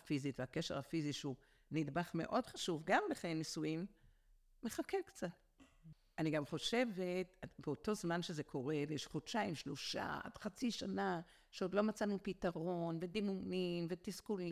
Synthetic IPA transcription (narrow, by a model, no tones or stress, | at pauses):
fizitveakeʃeʁhafiziʃu | nid̪baχme̞̰ʔo̞dχaʃuvɡamleχjenisuimː | eχakekt͡sat | aniɡamχo̞ʃevetabeoto̞zmanʃezekʰo̞ʁe̞vejeʃχodʃaimʃloʃa̰d̥χat͡siʃana | ʃeod̪lo̞mat͡sanupitaʁo̞nve̞d̪imunimvetiskuli